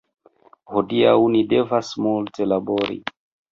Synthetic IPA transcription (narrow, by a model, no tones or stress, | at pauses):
hodiawnide̞vasmulte̞laboɾḭ